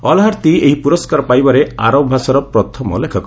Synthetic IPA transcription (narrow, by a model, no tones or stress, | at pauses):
ɔlɦaɾt̪ieɦipuɾɔskaɾɔpajbaɾeaɾɔbʱasɔɾɔpɾɔt̪ʰɔmɔ̰lekʰɔkɔ